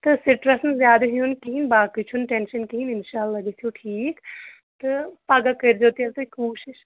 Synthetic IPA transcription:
t̪ɨsiʈɾɐsnzjaːd̪ɐɦjunkiɦinbaːkit͡ʃʰunʈenʃɐnkiɦinɪnʃaːlːɐɡesʰiuʈʰiːk | t̪ɨpaɡakɐɾd͡ʒoːt̪iɐlt̪ɐkuːʃiʃ

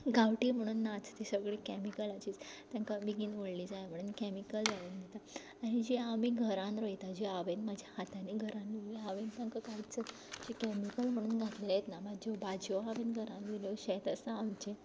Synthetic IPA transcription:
ɡaʋʈiːm̤əɽ̃uːnːat͡st̪esəɡɭekɛmikəlat͡ɕiːt͡st̪jãŋkabiɡiːnʋoɽliːd͡zajm̤əɽ̃uːnkɛmikəld͡zaʋuːnd̪et̪aː | nid͡ʑiamiːɡʱəɾãnɾəjt̪ad͡ʑiaʋenmad͡ʑʱjahat̪aniɡʱəɾãnːuiaʋent̪jãŋkakait͡sə | d͡ʑikɛmikəlm̤əɽ̃uːnɡʱat̪leljet̪namad͡ʑɔbad͡ʑjoaʋenɡʱəɾãnʋiljoɕɛt̪əsaːwt͡ɕe

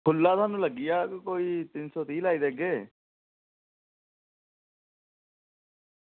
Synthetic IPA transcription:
kʰʊlːaːt̪aːnũːləɡɪjaːkkoːiːt̪ɪnsɔːt̪iːlaːiːd̪eːɡeː

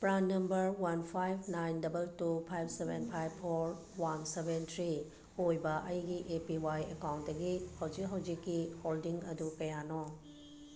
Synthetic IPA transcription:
bɾannːɐmbɐɾwanpʰajbnajndɐbɐltupʰajbsebenpʰajb̚pʰoɾ | wansebentʰɾi | ojbɐʔɐjɡiʔepiwajekawnt̚dɐɡihɐwd͡ʒik̚ɦawd͡ʒikːiholdiŋɐdukɐjanɔ

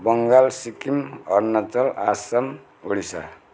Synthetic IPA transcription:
bʌŋɡalsikimʌɾnʌt͡sʌlasʌm | oɽisa̰

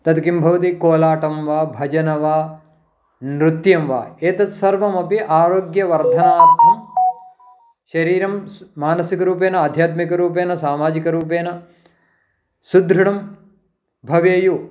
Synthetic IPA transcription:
t̪ɐt̪kimbʱɐʋɐt̪̬ikoːlaːʈɐmʋaːbʱɐd͡ʒɐnɐʋaː | nɾut̪jɐmʋa̰ːeːt̪ɐt̪sɐɾʋɐmɐpiʔaːɾoːɡjɐʋɐɾd̪ʱɐnaːɾt̪ʰɐm | ʃɐɾiːɾɐmːaːnɐsikɐɾuːpeːnɐaːd̪ʱjaːt̪mikɐɾuːpeːnɐsaːmaːd͡ʒikɐɾuːp̬eːnɐ | sud̪ɾuɽɐm | bʱɐʋeːju

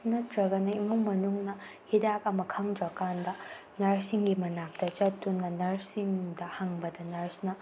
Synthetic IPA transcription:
nɐtɾɐɡɐnɐimuŋmɐnuŋnɐhidak̚ɐmɐkʰɐŋdɾɐkandɐ | nɐɾsiŋɡimɐnap̚tɐt͡ʃɐtːunːɐnɐɾsiŋdɐhaŋbɐdɐnɐɾsnɐ

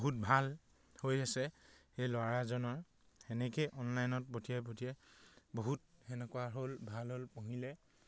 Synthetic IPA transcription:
ɦut̚bʱal | hojasɛxejlwaɹazɔnɔɹ | ɛnɛkejʔɔnlajnɔt̚potʰijɛpotʰiɛboɦut̚ɛnɛkʊaɦolbʱalɦolpoɦilɛ

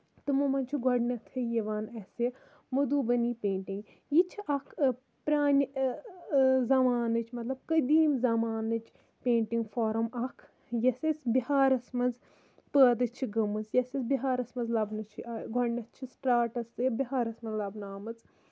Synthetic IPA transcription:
t̪ɨmumɐnʲt͡ʃʰiɡʱɔɖnɐt̪ʰɐjɐʋaːnɐse | mɐd̪uːbɐniːpʲeːɳʈiŋɡ | jit͡ʃʰiʔɐkʰ | pɾaːnʲ | zɐmaːnɨt͡ʃʰmɐt̪lɐb̚kɐd̪iːmzɐmaːnɨt͡ʃʰ | pẽːɳʈiŋɡfoːɾɐmɐkʰ | jɐsɐsbihaːɾɐsmɐnz | pəːd̪ɨt͡ʃʰiɡɐmɨzjɐsɐsbʲiɦaːɾɐsmɐnzlɐbnɨt͡ʃʰiʔɡʱɔɖnɐt̪t͡ʃʰisʈɾaːʈɐsɨbiɦaːɾɐsmɐnzlɐbnaːmɨt͡s

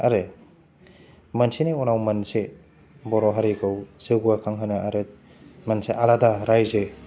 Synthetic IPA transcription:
ɐɾe | mɐnsʰineɔnawmɐnse | bɔɾɔɦaɾikʰɯwseɡuakʰaŋɦanɐʔɐɾet̚ | mɐnseʔaɾadaɾajze

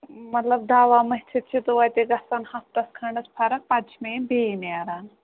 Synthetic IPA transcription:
mɐt̪lɐb̚d̪ʱaːʋaːmɐɦʲt͡ʃʰit̪̚t͡ʃʰit̪uʋajt̪eɡɐsanhɐft̪ɐskʰɐɳɖɐspʰaɾɐk̚pat͡ʃʰmenbeneaɾaːn

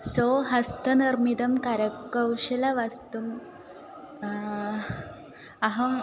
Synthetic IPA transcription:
soɦast̪ənɐɾmid̪ɐmkaɾəkːəwɕelaʋast̪um | aɦɐ

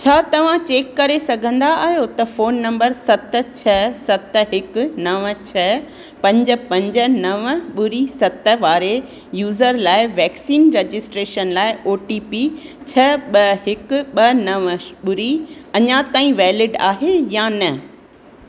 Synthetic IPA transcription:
t͡ɕʰaːt̪ɐʋ̤ãt͡ɕeːkːɐɾesɐɡʱə̃nd̪aːɦijot̪ɐfoːnːɐ̃mbəɾsɐt̪̆t͡ɕʰɐsɐt̪ɦɪkʊ̆nɐʋt͡ɕʰɐ | pɐ̃ɲd͡ʑə̆pɐ̃ɲd͡ʑə̆nɐʋɓʊɾisɐt̪ə̆ʋaːɾe | juːzəɾlaːɪʋɛːksiːnɾed͡ʑɪsʈɾeːʃənlaːɪʔoːʈiːpi | t͡ɕʰɐɓɐɦɪkʊ̆ɓɐnɐʋɓʊɾiɐɲãt̪aːĩʋɛːlɪɖa̰ːɦejanɐ

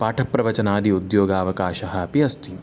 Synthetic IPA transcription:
paːʈʰɐpːɾɐʋɐt͡ʃɐnaːd̪iud̪joːɡaːʋɐkaːʃɐɦɐ̆piɐsʈim

